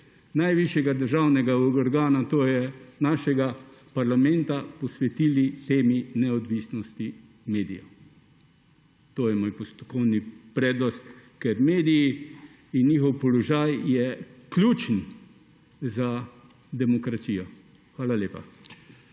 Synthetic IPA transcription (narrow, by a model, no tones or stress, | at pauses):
najʋiʃjɛɡad̪əɾʒaːwnɛɡaɔɾɡaːnat̪oːjɛnaːʃɛɡapaɾlamɛ̃nt̪apɔsʋɛt̪iːlit̪eːminɛɔd̪ʋiːsnɔst̪i | meːd̪ḭjɔ̰ | t̪oːjɛmoːjpɔst̪ɔkɔwnipɾɛːd̪nɔst̪kɛɾmeːd̪iji | injiːxɔwpɔlɔʒaːjjɛklʲuːt͡ʃn | za | d̪ɛmɔkɾasiːjɔ | xʋaːlalʲjeːpa̰